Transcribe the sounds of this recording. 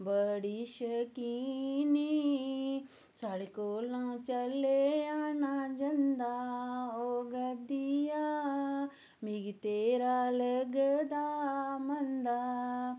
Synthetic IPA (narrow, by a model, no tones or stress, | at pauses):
bəɽiʃəkini | saɽikoːlãt͡ʃɐlejaːnad͡ʒɐnd̪aoɡəd̪ija | miɡit̪eːɾaːlɐɡəd̪aːmɐnd̪a